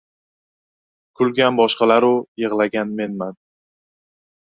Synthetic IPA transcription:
kʰʊlɡʲanbɒʃqɑlaɾʊjɨʁlaɡʲanme̞nman

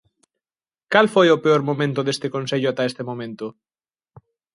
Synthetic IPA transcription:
kalfojopeoɾmomẽnt̪ʊðest̪ekonseʎʊat̪aest̪emõmẽnt̪ʊ

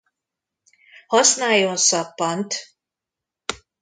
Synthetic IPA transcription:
hɒsnaːjonsɒpːɒnt̪

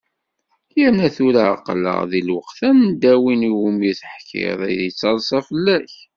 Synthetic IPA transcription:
jənæθuɾa̰qlə̰ʁðilwəqθænd̪æwiniwumiθəħkʰɪ̰ðˤḭðit͡sːɑɾˤsˤɑfəlːæç

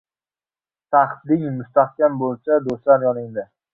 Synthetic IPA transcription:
saχt̪lɪŋmʊst̪ahkʲambolˠsad̪oslanjɒnɪŋd̪ɪ

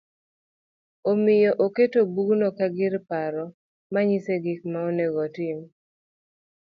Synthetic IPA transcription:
omɪjɔʔoketobuɡnɔkaɡɪɾpaɾɔ | maɲiseɡik̚maonɛɡɔtɪm

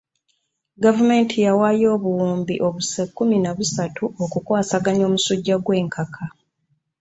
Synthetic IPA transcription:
ɡavume̞ːntʰijawaːjo̞ːβuwuːmbiʔo̞βusekːuminaβusatʰuokukwaːsaɡaɲo̞ːmusuɟːaɡwe̞ːŋkʰakʰa

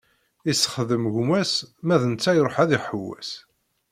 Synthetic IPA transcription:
isːə̥χðəmʝmæsmæðənt͡sːæjɾˤoħæðiħəwːæ̰s

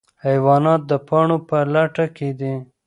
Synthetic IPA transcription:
hajwɑnɑt̪̚d̪əpaɳopəlaʈaked̪i

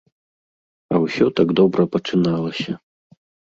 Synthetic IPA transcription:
ɐwsʲɔt̪aɡd̪ɔbɾɐpɐt͡ʂɨnalˠɐsʲɐ

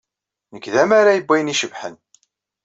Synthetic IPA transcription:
nəkðæmaɾajəbːæjniʃəvħən

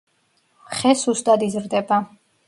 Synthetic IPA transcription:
χɛsusd̪ad̪izɾd̪ɛba

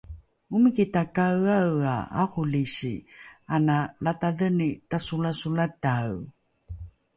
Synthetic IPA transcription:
umikitakawawa̰a̰xuliɕianalataðənitasulasulataw

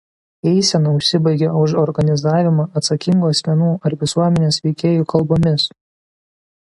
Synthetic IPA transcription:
ɛɪsʲɛnɐʊʃʲsʲɪbɐɪɡʲɛʊʃɔɾɡɐnʲɪzɑːʋʲɪmɑːʔɐt̪sɐkʲɪŋɡuːɐsʲmʲɛnuːɐɾʋʲɪsuɔmʲɛnʲeːsʋʲɛɪkʲeːjuːˑkɐlˠboːmʲɪs

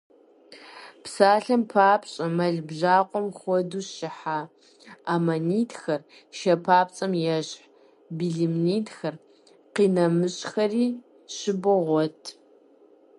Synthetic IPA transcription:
pʰsaːɬɐmpʰaːpɕʼɐmɐɮbʑaːqʷʼɔmxʷɔduːɕɪħaː | aːmɐniːtʰxɐr | ʃɐpʰaːpt͡sʼɐmjɛɕħ | biɮimniːtʰxɐr | qiːnɐmɨɕʼxɐriː | ɕɪbɨʁʷɔtʰ

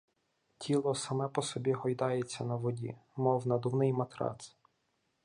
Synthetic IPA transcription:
tʲʰilˠɔsɐmɛpɔsɔbʲiɦɔjd̪ɑjet͡sʲːɐnɐʋɔdʲḭmɔwnɐd̪ʊwnɪjmɐt̪ɾɑ̰s

